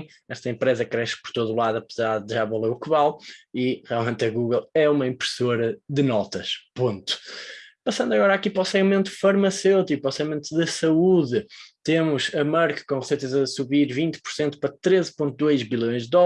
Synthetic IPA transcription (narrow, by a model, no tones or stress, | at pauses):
ɛʃt̪ɐẽmpɾezɐkɾɛʃpɔɾt̪oðulˠaðuɐpɨzaɾðɨʒaβɐlˠeukɨβalˠiʁialˠmẽnt̪ɐɣuɣɐlˠɛumɐĩmpɾɨsoɾɐðɨnɔt̪ɐʃpõnt̪u̥pɐsɐ̃nd̪uɐɣɔɾakipɾɔsɛɣimẽnt̪ufɐɾmɐsewt̪ikpɾɔsɛɣimẽnt̪uðɐsɐuðɨt̪emuʃɐmaɾkɐ̥kõʁsejt̪ɐzɐðsuβiɾvĩnt̪pu̥ɾsẽnt̪u̥pɾɐt̪ɾezpõnt̪ud̪ojʒβilˠjõj̃ʒðːɔ